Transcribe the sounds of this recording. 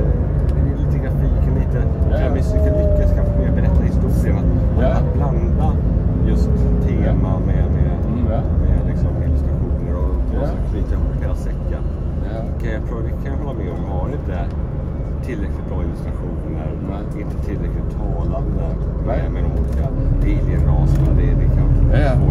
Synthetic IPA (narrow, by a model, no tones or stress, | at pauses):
ɛɪliːt̪əɡɾafiːkəmliːt̪əɛmɪsɪk̪əlʏkːaskʰanfomeːɾbɛɾɛt̪ːnɪŋɪst̪usenat̪ːat̪̚bland̪ajɵst̪t̪ʰːeːmamɛmɛ | mɛlɪksɔmːɪləst̪ɾaɧuːnəɾɔɔsɛliːt̪əhʊheːlasɛkːən | kʰaat̪ʰɾuːd̪ɛkʰanjɦɔlːamɛɔmvɑːɾɪnt̪ə | t̪ʰɪlɾɛklɪt̪̚b̪ɾɑːɪnʊst̪ɾaɧuːnəɾ | ɪnt̪ət̪ʰɪlɾɛklɪt̪ʰːɑːland̪əmɛmɛd̪ɔmuːlikadɪljənɾɑːsəna̰d̪ɛd̪ɛkʰanː